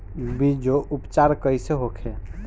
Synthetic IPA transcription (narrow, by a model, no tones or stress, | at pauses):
bid͡ʒoʔupt͡ʃaɾkəjseɦokʰe